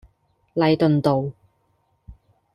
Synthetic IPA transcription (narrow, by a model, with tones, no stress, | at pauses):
lɐ˨˧jt̪ɵ˨nt̪o˨w